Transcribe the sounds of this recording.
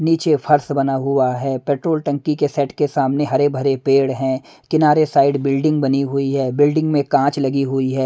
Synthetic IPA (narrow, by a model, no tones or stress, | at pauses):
niːt͡ʃefʰɐɾsbɐnaɦʊaɦɛːpɛːʈɾoːlʈɐ̃ŋkikesɛːʈkesaːmneɦɐɾebʱɐɾepeːɽɦɛ̃ | kɪnaːɾesaːɪɖbɪlɖɪ̃ŋɡ̚bɐniɦʊiɦɛːbɪlɖɪ̃ŋɡmẽkãːt͡ʃlɐɡiɦʊiɦɛː